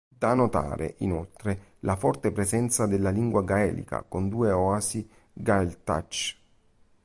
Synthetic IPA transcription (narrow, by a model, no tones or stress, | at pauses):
d̪anot̪a̰ːɾḛʔinolt̪ɾelafɔrt̪epɾezɛnt̪sad̪elːaliŋɡwaɡaɛ̰ːlḭka̰kond̪uːeɔasi | ɡaelt̪a̰t͡ʃ